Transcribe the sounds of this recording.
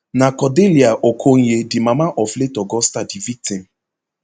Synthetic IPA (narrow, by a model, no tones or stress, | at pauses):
nakɔdeliaʔokʰoŋ̩jedimamaʔɔfletɔɡɔstadivik̚tim̩